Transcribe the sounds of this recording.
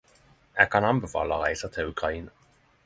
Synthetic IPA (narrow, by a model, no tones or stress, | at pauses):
æːɡkʰɑnɑmbɛfɑ̰ːlaʁæɪsət̪ʰɪlʉkʁaiːnə